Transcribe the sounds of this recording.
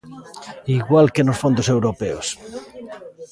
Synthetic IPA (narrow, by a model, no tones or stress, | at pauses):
iɣwalkenosfond̪osewɾopɛos